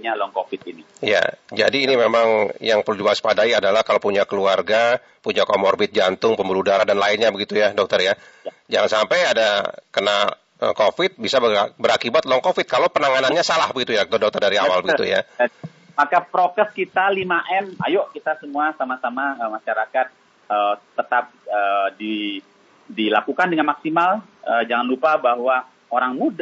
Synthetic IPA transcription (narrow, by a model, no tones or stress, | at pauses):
ɲalɔŋkofɪt̪̚inija̰d͡ʒa̰diːnimemaŋjaŋpərludibaaspadaiadalahkalowpuɲakəluarɡa | puɲakomɔrbɪt̪̚d͡ʒant̪ʊŋpəmbuludaɾadanlaɪnɲabəɡit̪ujadɔk̚t̪ərja | d͡ʒaŋansampajadakəna | ə̰kofɪt̪̚bisabəbəɾakibat̪loŋkofɪt̪̚kalowpənaŋananɲasalahbəɡit̪ujak̚t̪odɔk̚t̪ərdaɾia̰walbəɡ̪it̪ṵja̰ | makapɾokɛskit̪alimaʔɛma̰joʔkit̪asəmuasamasamaəmaʃaɾakat̪̚ | ət̪ət̪ap̚ədi | dilakukandəŋanmaksimaləd͡ʒaŋanlupabaɦwa | oɾaŋmuda